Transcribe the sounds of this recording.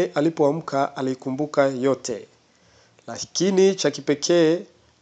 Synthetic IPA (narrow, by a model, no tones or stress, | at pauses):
ʔalipɔam̩kʰaʔalikumbukajɔtʰɛ̰ | lakinit͡ʃakipɛkʰɛ